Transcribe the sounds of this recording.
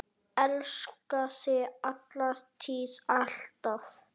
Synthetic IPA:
ɛlskasɪat̪last̪ʰisaɬt̪af

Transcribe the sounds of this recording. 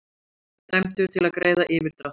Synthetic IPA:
t̪ɛm̥t̪ʏɾ̥t̪ʰɪlaðkɾeːjðaʔɪːvɪɾ̥t̪ɾat̪

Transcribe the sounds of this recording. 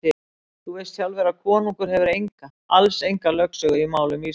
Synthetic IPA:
ɪ | θuɛst̪θçjawlvɛːɾakʰɔːnuŋkʏɾ̥ɦɛvɪɾejŋka | alsejŋkalœksœɣʏimaːwlʏmi

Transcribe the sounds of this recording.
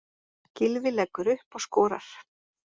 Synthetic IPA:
cɪlvɪlɛkːʏɾʏhpɔɣskɔːɾa̰ɾ̥

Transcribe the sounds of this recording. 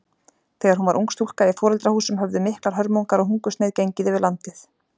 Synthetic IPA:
θɛːɣaɾhɦunvaɾʔṵŋkst̪ʰul̥kaɪfɔːɾɛlt̪ɾahuːsʏmɦœvðʏmɪhklaɾ̥ɦœɾmowŋkaɾɔɦuŋkʏst̪eːjðcejɲcɪðɪvɪɾlant̪ɪθ

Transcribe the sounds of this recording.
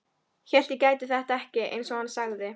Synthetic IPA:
çɛl̥t̪ikaːjt̪ɪθɛht̪aɛhcɪḛjnsɔɣansaɣðɪ

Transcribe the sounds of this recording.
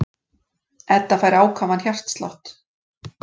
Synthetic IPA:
ɛt̪ːafajɾaːwkʰaːvançjar̥t̪st̪la̰ht̪

